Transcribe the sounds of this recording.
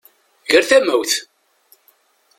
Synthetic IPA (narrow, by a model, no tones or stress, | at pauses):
ʝəɾθæmæwθ